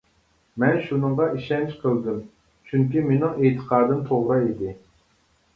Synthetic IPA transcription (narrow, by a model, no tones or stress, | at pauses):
mɛnʃunɨŋʁɑʔiʃɛnt͡ʃqʰəlˠd̪ɪm | t͡ʃʰyŋkʲimenɪŋet̪ʰə̥qʰɑːd̪ɨmt̪ʰoʁɾɨid̪ɪ